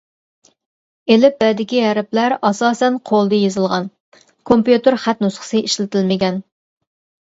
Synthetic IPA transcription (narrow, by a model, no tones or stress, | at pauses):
elɪp̚bɛd̪ɪkʲiæɾɪplæɾɑsɑːsɛnqʰolˠd̪ɨjezɨlˠʁɑn | kʰompjut̪ɪɾχæt̪nusχə̥sɨʔiʃlɪt̪ɪlmɪɡʲɛn